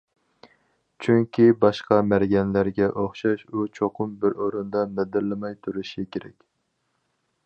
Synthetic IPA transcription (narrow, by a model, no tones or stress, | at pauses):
t͡ʃʰyŋkʲʰibɑʃqɑmæɾɡʲɛnlæɾɡʲɛʔoχʃɑʃut͡ʃʰoqʰʊmbɪɾoɾund̪ɑmɛd̪ɪɾlɪmɑjt̪ʰuɾuʃikʲʰeɾɛ̰kʲ